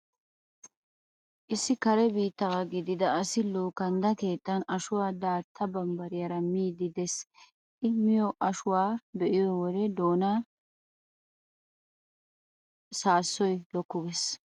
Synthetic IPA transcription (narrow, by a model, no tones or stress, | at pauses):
ʔɪsːɪkɐɾɛbiːt̪ːɐwaɡɪd̪ɪd̪ɐːsɪloːkɐnd̪ɐke̞ːt̪ʼːɐnɐʃʊwaːd̪aːɾt̪ʰːɐbɐmbɐɾɪjɐɾɐmiːd̪ɪd̪ɛs | ʔɪmɪjɔʔɐʃʊwaːbɛʔɪjɔwɔd̪ɛd̪o̞ːna | saːsːɔjlɔkːʊɡɛs